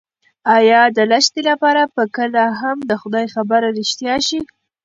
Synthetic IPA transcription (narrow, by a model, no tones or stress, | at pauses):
ɑjɑd̪əlaʃt̪elapɑɾapəkəlaɦamd̪əxʊd̪ɑjxabəɾɾɪʃt̪jɑʃi